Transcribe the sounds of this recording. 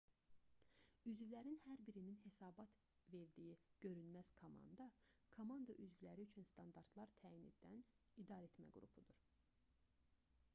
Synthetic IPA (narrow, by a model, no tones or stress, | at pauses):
yzvilæɾinhæɾbiɾininhe̞sɑːbɑt̪ | ve̞ɾd̪ijiɟ̥ø̞ɾynmæz̥kʰomɑ̰nd̪ɑkʰomɑnd̪ɑʔyzvilæɾiyt͡ʃʰynst̪ɑnd̪ɑɾt̪lˠɑɾt̪ʰæːjinḛd̪ænid̪ɑɾe̞t̪mæ̰ɡuɾṵpʰud̪uɾ̥